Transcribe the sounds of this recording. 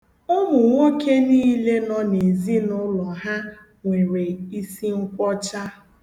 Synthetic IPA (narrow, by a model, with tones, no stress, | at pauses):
ʊ˦mʊ˨ŋʷo˦kʰe˦niː˦le˦nɔ˦ne˨zi˦nʊ˦lɔ˨ɦa˦ | ŋʷe˨ɾe˨i˦si˦ŋ̩˦kʷɔ˦t͡ʃa˦